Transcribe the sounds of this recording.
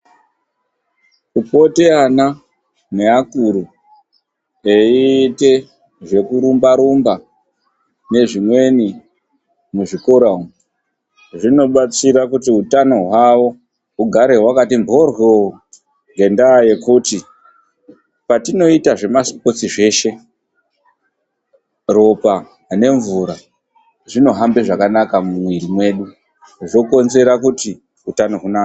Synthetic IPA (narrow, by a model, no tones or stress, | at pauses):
kupo̞teana | ne̞akuɾu | eite̞ | ʐe̞kuɾumbaɾumba | ne̞ʐimwe̞ni | muʐiko̞ɾaum | ʐino̞ɓat͡siɾakutiutano̞ɦwawo̞ | ɦuɡʱaɾe̞ɦwakatimbʱo̞rwo | ŋɡe̞ndaje̞kuti | patino̞itaʐe̞masi̥po̞t͡siʐe̞ːʃe̞ | ro̞pa | ne̞ɱvuɾa | ʐino̞ɦambe̞ʐakanakamumwiɾimwe̞ːɗu | ʐo̞ko̞nze̞ɾakuti | utano̞ɦunaːka